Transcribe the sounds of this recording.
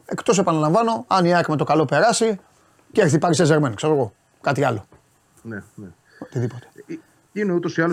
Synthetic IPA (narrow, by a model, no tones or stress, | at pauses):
e̞kt̪o̞s̬e̞pɐnɐlɐ̃ɱvɐno̞ɐniɐkme̞t̪o̞kɐlo̞pe̞ɾɐsi | ceeθipɐɾisezeɾmenkseɾoɣo̞ | kɐt̪iɐlo̞ | nene | ot̪iðipo̞t̪e̥ | ineut̪o̞siɐlo